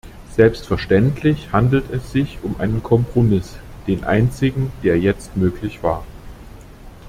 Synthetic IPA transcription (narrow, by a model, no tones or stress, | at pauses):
z̥ɛlpstfɛɐʃtɛntʰlɪçhandl̩tɛsz̥ɪçʊmʔa̰ɪnənkʰɔmpʁ̥omɪs | d̥eːnʔa̰ɪnt͡sɪɡŋ̩d̥eːɐjɛt͡stmøːklɪçv̥a̰ːɐ